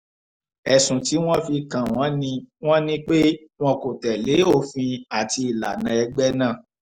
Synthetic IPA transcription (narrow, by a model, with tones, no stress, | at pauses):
ɛ˨sũ˨ti˨˦w̃ɔ̃˦fi˧kã˨w̃ɔ̃˨˦nĩ˧w̃ɔ̃˦nĩ˦k͡pe˦w̃ɔ̃˦ko˨tɛ˨le˨˦o˦˨fĩ˧a˨ti˧i˨la̰˨nã˨ɛ˧ɡ͡bɛ˦nãː˦˨